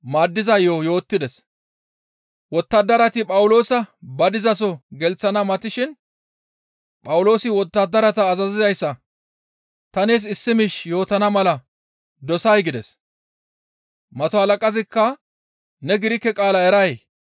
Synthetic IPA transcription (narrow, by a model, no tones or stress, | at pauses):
maːd̪ːɪzɐjoːjo̞ːt̪ːɪd̪ɛs | wɔt̪ːɐd̪ːɐɾɐt̪ɪpʼɐwʊlo̞ːsɐbɐd̪ɪzɐs̬ɔɡɛlt͡sːɐnɐmɐt̪ɪʃɪn | pʼɐwʊlo̞ːsɪwɔt̪ːɐd̪ːɐɾɐt̪ɐːzɐzɪzɐjsːɐ | t̪ɐneːs̬ɪsːɪmɪʃjo̞ːt̪ɐnɐmɐlɐ | d̪ɔsɐjɡɪd̪ɛs | mɐt̪ɔɐlɐkʼɐzɪkːɐ | nɛɡɪɾɪkːɛkʼaːlɐɛɾɐj